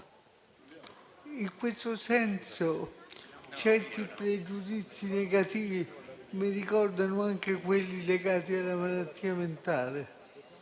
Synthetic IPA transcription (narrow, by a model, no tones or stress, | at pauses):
iŋkwest̪osɛnso | t͡ʃɛrt̪ipɾed͡ʒud̪it̪sːineɡat̪iːvimɪrikɔrd̪anʊaŋkekwelːileɡaːt̪ialːamalat̪ʰːiːament̪aːle